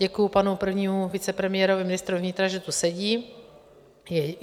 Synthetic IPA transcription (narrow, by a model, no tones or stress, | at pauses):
ɛkujupanupr̩vɲiːmuvɪt͡sɛpɾɛmɪjɛːɾovɪmɪnɪst̪ɾuvɲɪt̪ɾaʒɛt̪usɛɟiː | jɛ